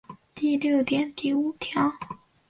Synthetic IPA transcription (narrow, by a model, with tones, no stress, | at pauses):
t̪i˥˧ljo˥˩ʊt̪jɛ˧˥nt̪i˧˩u˧˥t̪ʰjɑ˧˥˦ʊ